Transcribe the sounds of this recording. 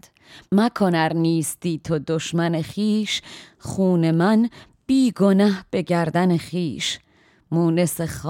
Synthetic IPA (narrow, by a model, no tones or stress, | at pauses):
d̪̥ | mækʰonæɾniːst̪iːt̪ʰod̪oʃmæneχiːʃχuːne̞mæn | b̥iːɡo̞næhb̥e̞ɟæɾd̪æneχiːʃ | muːne̞seχ